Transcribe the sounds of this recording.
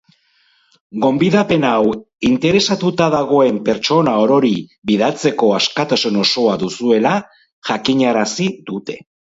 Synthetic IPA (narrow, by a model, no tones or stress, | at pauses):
ɡo̞mbiðape̞naw | int̪e̞ɾe̞sat̪ut̪aðaɣo̞e̞mpe̞ɾt͡ʃo̞nao̞ɾo̞ɾibiðat͡se̞ko̞askat̪asuno̞so̞aðusue̞la | ʝakiɲaɾasiðut̪e̞̥